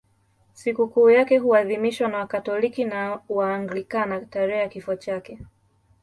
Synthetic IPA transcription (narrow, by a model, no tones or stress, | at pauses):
sikukuːjakɛɦuaðimiʃwanawakatɔlikinawaːŋɡlikanataɾɛajakifuat͡ʃakɛ